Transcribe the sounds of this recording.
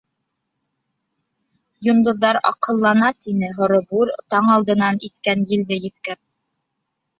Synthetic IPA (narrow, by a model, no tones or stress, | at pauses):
jŏnd̪ŏðːɑɾɑ̰qɤ̆lˠːɑnɑt̪inɘɦŏɾɤ̆buɾt̪ɑɴɑlˠd̪ɤ̆nɑnit̪kænjɘ̆ld̪ɘjɘ̆θkæp̚